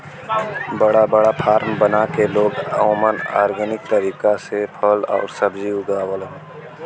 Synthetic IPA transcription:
bəɽabəɽapʰaːɾmbənakeloːɡə̰ʊməna̰ːɾɡənɪk̚t̪əɾiːkasepʰəlɔ̰ːɾsəbd͡ʒiʊd̪aːwəlɦɛ̃ː

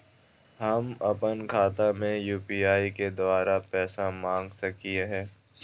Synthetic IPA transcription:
ɦɐmɐpənkʰaːt̪amẽjuːpiːaːiked̪ʊaːɾapɛːsamãːŋɡsɐkiɦɛː

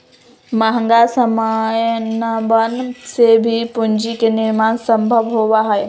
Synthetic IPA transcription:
maɦəŋɡasəmajnəbənsebʱipʊɲd͡ʑikenɪɾmaːnsəmbʱəʋɦoʋaɦae

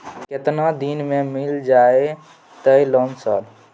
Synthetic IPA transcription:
kɪt̪nad̪inmẽmɪld͡ʒaːe | t̪əjlɔːnsaːl

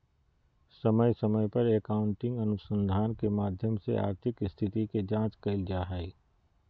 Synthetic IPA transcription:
sɐməjsəməjpɐɾekaːʊ̃ɳʈɪ̃ŋɡənʊsə̃nd̪ʱaːnkemaːd̪ʱjəmsḛa̰ːɾt̪ʰɪkɪst̪ʰɪt̪iked͡ʒãːt͡ʃkəld͡ʒaːɦai

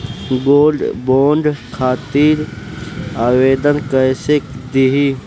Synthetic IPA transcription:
ɡoːlɖboːɳɖkʰaːt̪iːɾ | aweːd̪ənkəjsekd̪iɦi

